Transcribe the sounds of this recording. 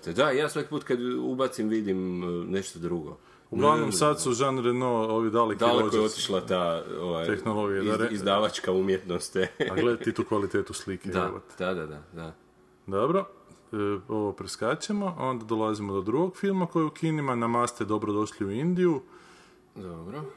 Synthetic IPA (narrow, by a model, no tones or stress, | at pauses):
t̪ed̪ajaːsʋaki̥puːt̪kad̪ubat̪simʋid̪imneʃt̪od̪ɾuɡo̰ | uɡlˠaʋnomsad̪suʒanɾenooʋid̪alekd̪alekoɛot̪i̥ʃlˠat̪aoʋaj̪exnolˠo̞ɡijad̪aɾizd̪aːʋat͡ʃkaumjet̪nost̪aɡled̪at̪it̪uːkʋalit̪et̪usliked̪aʋo̰t̪d̪ad̪ad̪ad̪a | d̪obɾo̞ | o̞ʋopɾeskat͡ʃimoʔao̞nd̪ad̪o̞lazimod̪od̪ɾuɡoɡfilˠmako̞jeukʰinimanamast̪ed̪o̞bɾod̪o̞ʃliuind̪iju | d̪obɾo